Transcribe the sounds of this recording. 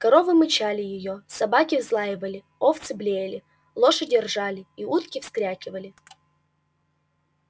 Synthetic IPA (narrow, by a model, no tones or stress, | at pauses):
kɐɾo̞vɨmɨt͡ɕalʲɪjɪjosɐbakʲɪvzlˠajɪvəlʲɪ | oft̪sɨblʲejlʲɪ | lˠo̞ʂɨdʲɪrʐalʲɪiut̪kʲɪfskɾʲakʲɪvəlʲɪ